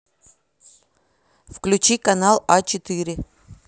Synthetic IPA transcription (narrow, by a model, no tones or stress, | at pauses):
fklʲʉt͡ɕikɐnalˠat͡ɕɪt̪ɨɾʲɪ